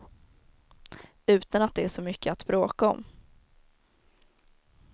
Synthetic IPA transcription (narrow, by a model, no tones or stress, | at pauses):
ʉ̟ːt̪anat̪̚d̪ɛæʂɔmʏkʰːəat̪bɾoːkaɔ̰m